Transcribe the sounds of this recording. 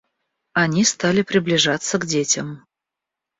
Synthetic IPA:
ɐnʲist̪alʲɪpɾʲɪblʲɪʐat̪səɡdʲetʲəm

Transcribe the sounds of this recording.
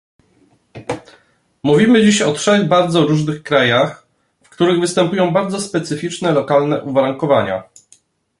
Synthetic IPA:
muvʲimɘd͡ʑiɕɔtʂɛɣbaɾd̪zɔɾuʐnɘxkɾajax | fkt̪uɾɘɣvɘst̪ɛmpujɔ̃w̃baɾd̪zɔspɛt̪sɘfʲit͡ʂnɛlɔkalnɛʔuvaɾaŋkɔvaɲa̰

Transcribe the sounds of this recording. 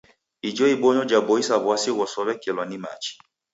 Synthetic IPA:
id͡ʒɔibɔɲɔd͡ʒabɔisaβwasiɣɔsɔβɛkɛlwanima̰t͡ʃi̥

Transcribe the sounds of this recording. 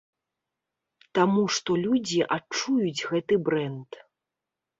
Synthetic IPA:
t̪amuʂt̪ɔlʲud͡zʲiʔat͡ʂujud͡zʲɣɛt̪ɨbɾɛnt̪

